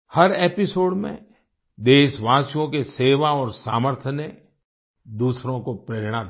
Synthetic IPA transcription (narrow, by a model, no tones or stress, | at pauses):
hɐɾeːpɪsoːɽmḛ̃ | d̪eːʃʋaːsjõkeseːʋaɔːɾsaːməɾt̪ʰəne | d̪uːsɾõkopɾeːɾɽ̃a